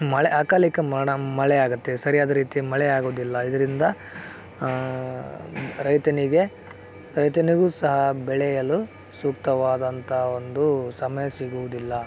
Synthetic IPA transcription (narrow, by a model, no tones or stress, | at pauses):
mɐɭɛʔaːkaːlikɐɐɐmɐɭɛaːɡut̪ːesɐɾijaːd̪ɐɾiːt̪imɐɭɛaːɡoːd̪ilːɐid̪ɐɾind̪ɐ | ɾɐjt̪ɐniɡe̞ | ɾɐjt̪ɐniɡuːsɐɦɐbɛɭɛjɐlu | suːk̚t̪ɐʋaːd̪ɐnt̪ʰɐo̞nd̪usɐmɐjɐsiɡuʋud̪ilːɐ